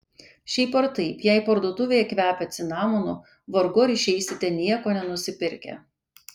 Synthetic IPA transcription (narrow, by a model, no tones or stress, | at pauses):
ʃʲɛɪpɐɾt̪ɐɪpjɛɪpɐɾd̪uːt̪ʊʋʲejɛkʋʲæːpʲɛt̪sʲɪnɑːmɔnʊ | ʋɔɾɡoːɾʲɪʃʲɛɪsʲɪt̪ʲɛnʲiɛkoːnʲɛnʊsʲɪpʲɪɾʲkʲɛ̰